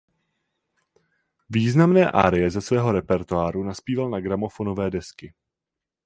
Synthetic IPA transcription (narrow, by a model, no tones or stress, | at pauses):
viːznamnɛːʔa̰ːɾɪjɛzɛsvɛːɦo̞ɾɛpɛɾt̪uaːɾunaspiːvalnaɡɾamo̞fono̞vɛːdɛskɪ